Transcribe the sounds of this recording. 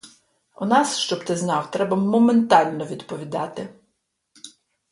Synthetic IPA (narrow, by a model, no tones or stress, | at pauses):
ʊnɑsʃt͡ʃɔbt̪ɪznɑwt̪ɾɛbɐmɔment̪ɑlʲnɔʋʲid̪pɔʋʲid̪ɑt̪ɪ